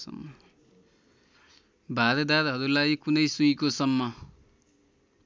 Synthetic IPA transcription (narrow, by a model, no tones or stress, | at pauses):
sʌ̰mːʌ | bʱaɾed̪aɾɦʌɾulajkunʌjsujkosʌmːʌ